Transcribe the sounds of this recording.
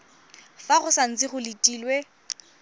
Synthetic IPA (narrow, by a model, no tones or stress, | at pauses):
faχʊsan̩t͡sɪχʊlitʼiːlwe